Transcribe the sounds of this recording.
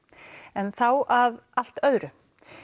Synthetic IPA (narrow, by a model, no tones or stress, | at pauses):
ɛnθawʔaðal̥t̪œðɾʏ